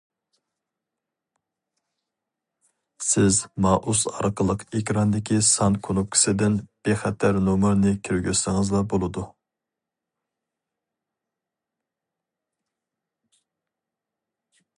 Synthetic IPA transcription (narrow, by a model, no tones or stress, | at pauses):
sɪzmɑːʔusɑ̰ɾqʰəlˠəqekʲɾɑnd̪ɪkʲʰisɑnkʰonup̚kʲʰi̥sɪd̪ɪnb̥eχɛt̪ʰæɾnomɨɾnɪkʲʰiɾɡʲysɪŋɨzlˠɑbolˠɨd̪u